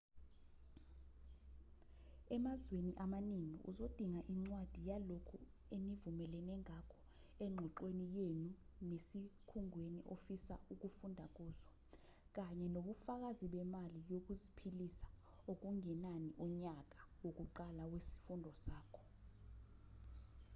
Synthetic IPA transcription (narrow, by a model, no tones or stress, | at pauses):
ɛmazweniʔamaniŋḭʔṵzod̥ʱiŋaʔiŋ͡ǀwad̥ʱijalokʰu | emivumɛlɛnɛŋakʰɔ̥ | eŋ͡ǁʱɔǃwenijenunesikʰuŋweniʔofisa̰ʔuk̬ufundʱak̬ʼuːzɔ | k̬aɲɛnoɓufak̬aziɓɛmalijok̬uzipʰilisḁ | ok̬uŋɛnaniʔɔɲak̬ʼa | wok̬ʼuǃalawesi̥fundʱɔsaːkʰɔ̥